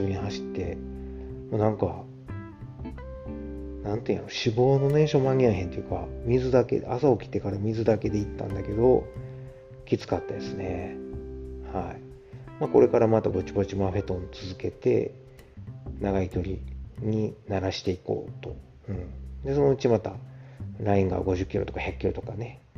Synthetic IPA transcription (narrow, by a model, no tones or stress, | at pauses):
oɲ̟iɦaɕi̥t̪ːe̞̰ | moːnãŋka | nãnt̪ẽjaɾoɕibo̞ːno̞ne̞ɕo̞maɲ̟ʲiaɦent̪ojɯ̟kamʲizɨd̪ake̞̰a̰sao̞kʲi̥t̪e̞kaɾamʲizɨd̪ake̞d̪e̞it̪ːã̰nd̪ake̞d̪o̞ | kʲit͡sɨ̥kat̪ːad̪e̞sɨne̞ | hai | mako̞ɾe̞kaɾamat̪abo̞t͡ɕibo̞t͡ɕimaɸe̞t̪õ̞nt͡sɨzɨke̞t̪e̞̰ | naɡaikʲo̞ɾʲiɲ̟inaɾaɕi̥t̪e̞iko̞̰ːt̪o̞ | ɯ̟̃ɴd̪e̞so̞no̞ɯ̟t͡ɕimat̪aɾaĩŋɡa̰ɡo̞ʑɨkʲːiɾo̞t̪o̞kaçjakʲːiɾo̞t̪o̞kane̞